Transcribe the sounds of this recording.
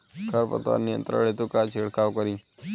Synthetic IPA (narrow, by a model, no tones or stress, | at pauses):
kʰəɾpə̰t̪a̰nːijə̰nt̪ɾə̰ɭet̪ukat͡ʃʰiɽkaʋkəɾĩː